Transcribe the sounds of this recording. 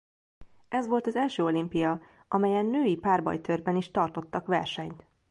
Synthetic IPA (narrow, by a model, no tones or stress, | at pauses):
ɛzʋo̞lt̪ɒzɛlʃøːo̞limpijɒ | ʔɒmɛjɛnːøːjipaːrbɒ̰jt̪ørbɛniʃt̪ɒrt̪o̞t̪ːɒkʋɛ̰rʃɛɲt̪